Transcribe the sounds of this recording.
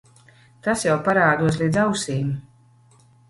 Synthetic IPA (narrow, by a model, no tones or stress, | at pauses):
t̪asjawpaɾaːd̪uɔs̬lʲˠiːd̪zawsiːmu